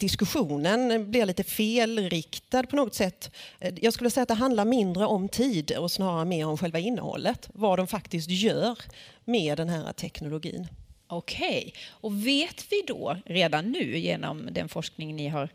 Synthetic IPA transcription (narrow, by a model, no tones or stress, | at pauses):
d̪̥ɪskɵɧuːnənblɪɾɭiːt̪əfeːlɾɪkt̪ad̪̚pʰɔnoːɡɔt̪sɛt̪ːjʔɑːɡskɵləːsɛjːat̪̚d̪ɛɦand̪laɾmɪnd̪ɾəɔmt̪ʰiːd̪ɔsnɑːɾaɾəmeːɾɔmɧɛlvaɪnːə̰hɔ̰lːət̪vad̪ɔmfakt̪ɪst̪jœːɾmɛːd̪ɛnɦæːɾa̰t̪ʰɛknʊlʊɡḭːnɔkʰɛjɔveːt̪vɪd̪ɔ̰ɾeːd̪anːʉ̟ːjḛːnɔ̰md̪ɛ̰nfɔʂknɪŋnɪɦaɾ